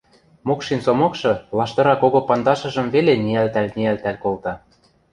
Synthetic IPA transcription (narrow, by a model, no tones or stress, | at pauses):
mokʃinsomokʃɤ̆lɑʃt̪ɤ̆ɾɑkoɣopɑnd̪ɑʃɤ̆ʒɤ̆mβeleniælt̪ælʲniælt̪ælkolt̪ɑ